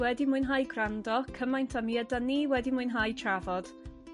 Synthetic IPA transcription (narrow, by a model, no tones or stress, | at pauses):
wɛdimʊɨnɦajɡrandɔkʰəmajntʰamiədaniːwɛdimʊɨnɦajtʰravɔd̥